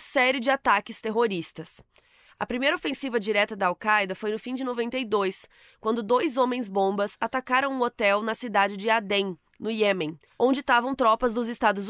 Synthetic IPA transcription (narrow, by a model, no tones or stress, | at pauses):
sɛɾɪd͡ʒɪat̪akɪst̪eɦoɾist̪ɐs | ɐ̰pɾimejɾɐofẽsivɐd͡ʒiɾɛt̪ɐd̪ɐawkajd̪ɐfojnʊfĩd͡ʒɪnovẽnt̪ejd̪ojs | kwɐ̃nd̪ʊd̪ojzõmẽj̃zbõbɐsat̪akaɾɐ̃w̃ũot̪ɛwnɐsid̪ad͡ʒɪd͡ʒɪad̪ẽj̃ | nʊjemẽ | õnd͡ʒɪt̪avɐ̃w̃t̪ɾɔpɐzd̪ʊzɪst̪ad̪ʊz